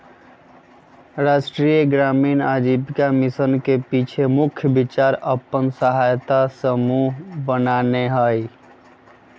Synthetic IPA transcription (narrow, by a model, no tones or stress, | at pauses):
ɾaːʃʈɾiːɡɾaːmiːnaːd͡ʒiːbkamɪsənkepiːt͡ʃʰemʊkʰjəbɪt͡ʃaːɾəpənsəɦaːjt̪asəmuɦbənaːneɦaːi